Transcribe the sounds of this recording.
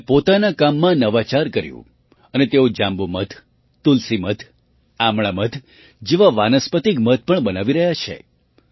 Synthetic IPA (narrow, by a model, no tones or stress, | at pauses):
pot̪anakamːãnəʋat͡ʃaɾkəɾjṵ̃ | ənet̪eod͡ʒãmbomət̪ʰ | t̪ulsimət̪ʰ | amɭamət̪ʰ | d͡ʒeʋaʋanəspət̪ikmət̪̚ʰpəɳbənaʋiɾəɦjat͡ʃʰḛ